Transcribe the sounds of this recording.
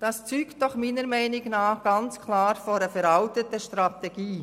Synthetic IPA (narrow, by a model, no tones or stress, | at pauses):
d̥ɑst͡syːktd̥ɔχmiːnəɾmɛɪnɪɡnɑːχɡ̥ɑnt͡skʰlɑːɾfoɾəfɛɾɑltətəʃtɾɑtɛɡ̥iː